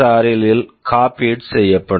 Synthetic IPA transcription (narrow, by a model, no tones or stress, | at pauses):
aːɾɪlɪlkaːpiːʈsɛjːɐpːɐɽ